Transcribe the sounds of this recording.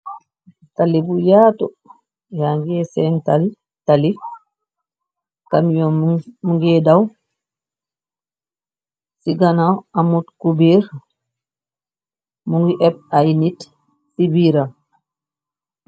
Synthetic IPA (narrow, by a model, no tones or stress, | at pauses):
talibujaːtɔ | jaŋɡɛsɛntali | talif | kamjɔmuŋɡɛdaw | siɡanawamutkubiɾ | muŋɡiʔɛb̚ajnit | sibiɾam